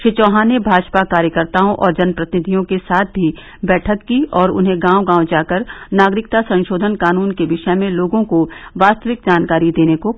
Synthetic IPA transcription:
ʃɪt͡ʃɔ̃ːɦaːnebʱaːd͡ʒpakaːɾjəkəɾt̪aːõʔɔːɾd͡ʒɐnpɾɐt̪ɪnɪd̪ʱijõkesaːt̪̚ʰbʱi | bɛːʈʰəkːiɔːɾʊ̰nɦẽɡãːwɡãːwd͡ʒaːkəɾnaːɡɾɪk̚t̪asɐ̃nʃoːd̪ʱənkaːnuːnkeʋɪʃɛmẽloːɡõkoʋaːst̪əʋɪk̚d͡ʒaːnkaːɾid̪eːneko

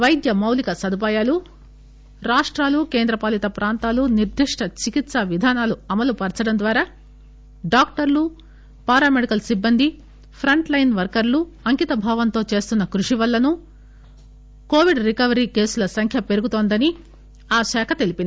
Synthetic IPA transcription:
ʋɐjd̪jɐmɐwlikɐsɐd̪up̬aːjaːlu | ɾaːʂʈɾaːlukeːnd̪ɾɐpaːlit̪ɐpɾaːnt̪aːluniɾd̪ʱiʂʈɐt͡ʃikit̪sɐʋid̪ʱaːnaːluɐmɐlupɐɾt͡ʃɐɽɐnd̪ʋaːɾaː | ɖaːkʈɐɾlu | paːɾaːmeɽikɐlsibːɐnd̪ʱi | pʰɾɐɳʈlɐjnʋɐɾkɐɾluɐŋkit̪ɐbʱaːʋɐnt̪o̞ːt͡ʃeːst̪unːɐkɾuʂiʋɐlːɐnu | ko̞ːʋiɖɾikɐʋɐɾiːke̞ːsulɐsɐŋkʰjɐpe̞ɾuɡut̪oːnd̪ɐni | aːʃaːkʰɐt̪e̞lipind̪i

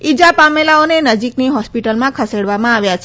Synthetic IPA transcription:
id͡ʒapamelaonenəd͡ʒikniɦɔspiʈəlmãkʰəseɽʋamãaʋjat͡ʃʰe

